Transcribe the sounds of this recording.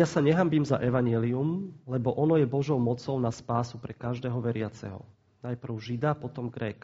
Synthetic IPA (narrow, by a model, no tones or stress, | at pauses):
jasaɲɛɦambiːmza̰ʔɛʋaɲɛliumlɛbɔʔɔnɔjɛbɔʒɔʊmɔt͡sɔʊnaspaːsupɾɛkaʒd̪ɛːɦɔʋɛɾɪat͡sɛ̰ɦɔ̰ | najpr̩ʊʒid̪apɔt̪ɔmɡɾɛːk